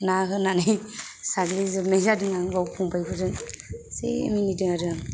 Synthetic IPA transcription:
naɦɯnanajsaɡlizɯmezadɯŋaŋbawkʰuŋpajpʰɯdɯsḛminidɯŋaɾɯa

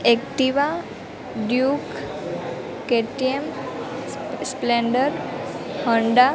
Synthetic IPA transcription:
ekʈiʋa | ɖjuk | keʈiem | spleɳɖəɾhɔɳɖa

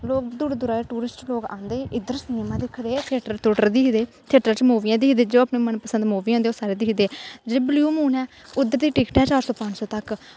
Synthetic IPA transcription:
loːkd̪uːɽed̪ʊɾaːeːʈuːɾɪsʈloːkã̰ːnd̪eːʔɪd̪əɾsəneːmãːd̪ɪkʰːd̪eːt̪ʰeːʈəɾt̪ʰuʈəɾd̪ɪkʰd̪eː | t̪ʰeːʈəɾt͡ʃmoːʋijãːd̪ɪkʰd̪eːd͡ʒoːaːpnẽːmənpəsənd̪moːʋiãːd̪eːoːsaːɾeːd̪ɪkʰd̪eːd͡ʒeːbljuːmuːnɛːʊd̪ːəɾd̪iːʈɪkʈɛːt͡ʃaːɾsɔːpə̃ɲd͡ʒsɔːt̪ək

